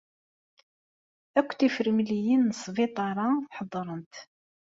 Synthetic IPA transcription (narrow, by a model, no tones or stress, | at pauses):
ækʷːθifəɾmlijinːəsˤːvit̪ˤɑɾˤɑħəd̪ˤːɾˤənt̪